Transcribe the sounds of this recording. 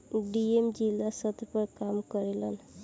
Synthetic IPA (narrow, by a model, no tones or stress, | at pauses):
ɖiemd͡ʒilasət̪ɾpəɾkamkɔɾelən